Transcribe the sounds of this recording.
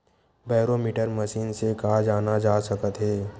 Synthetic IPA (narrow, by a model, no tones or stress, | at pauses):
baːɾomiːʈəɾməʃiːnsekaːd͡ʒaːnad͡ʒaːsɐkət̪ɦɛː